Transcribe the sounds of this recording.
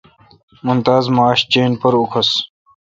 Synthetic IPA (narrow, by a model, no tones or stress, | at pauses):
munt̪aːzmaːɕt͡ɕeːnpɐɾukʰɐs